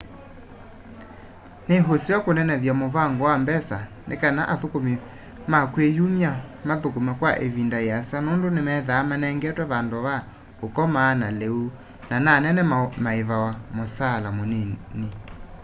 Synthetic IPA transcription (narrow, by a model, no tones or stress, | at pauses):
neɦosiɔkonɛnɛðjamovaŋɡowambɛsa | nḛkanaʔaðokomi | makwejumjamaðokomɛkwaʔevindajasanondonemɛðaːmanɛŋɡɛtwɛβandoβa | okɔmaːnaleu | nananɛnɛmaeβawamosalamoneni